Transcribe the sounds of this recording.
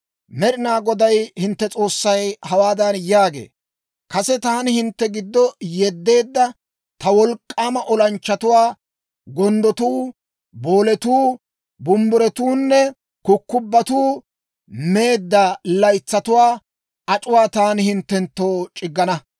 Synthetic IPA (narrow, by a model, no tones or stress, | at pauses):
mɛɾɪnaːɡɔd̪ɐjhɪnt̪ːɛt͡sʼo̞ːsːɐjhɐwaːd̪ɐnjaːɡe̞̰ː | kɐsɛt̪aːnɪhɪnt̪ːɛɡɪd̪ːɔjɛd̪ːe̞ːd̪ːɐ | t̪ɐwɔlkʼːaːmɐʔɔlɐnt͡ʃːɐt̪ʊwaː | ɡɔnd̪ɔt̪uː | bo̞ːlɛt̪uː | bʊmbʊɾɛt̪uːnːɛ | kʊkːʊbːɐt̪uː | me̞ːd̪ːɐlɐjt͡sːɐt̪ʊwaː | ɐt͡ʃʼʊwaːt̪aːnɪhɪnt̪ːɛnt̪ːo̞ːt͡ʃʼɪɡːɐnɐ